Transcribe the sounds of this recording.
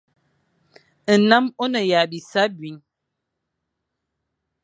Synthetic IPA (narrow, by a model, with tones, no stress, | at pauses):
na˦mo˦nə˨ja˨ɓi˨sa˦bɥi˨ɲ